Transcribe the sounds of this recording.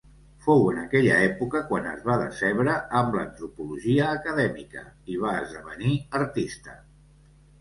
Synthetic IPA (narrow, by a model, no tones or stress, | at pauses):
fowənəkɛʎə̰ɛpukəkwanə̰zβaðəsɛβɾəːmblə̰nt̪ɾupuluʒiəːkəðɛmikə̰iβ̞aəzðəβəniəɾt̪ist̪ə